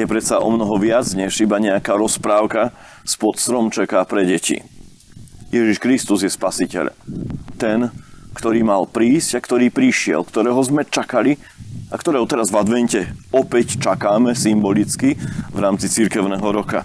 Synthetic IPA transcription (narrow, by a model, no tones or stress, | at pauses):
jɛpɾɛt̪saʔɔ̰mnɔɦɔʋɪad͡zɲɛʒibaɲɛakaːɾɔspɾaːʊka | spɔt̪st̪ɾɔmt͡ʃakaːpɾɛɟɛcḭ | jɛʒiʃkɾist̪uzjɛspasicɛ̰ʎt̪ɛnkt̪ɔɾiːmalpɾiːscakt̪ɔɾiːpɾiʃɪɛ̰lkt̪ɔɾɛːɦɔzmɛt͡ʃakali | akt̪ɔɾɛːɦɔt̪ɛɾazvad̪ʋɛncɛɔpɛct͡ʃakaːmɛsimbɔlit͡skivɾaːmt͡sit͡siɾkɛʊnɛːɦɔɾɔka̰